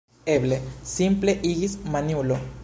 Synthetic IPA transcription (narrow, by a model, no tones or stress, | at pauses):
eβlesimpleʔiɣismanjulo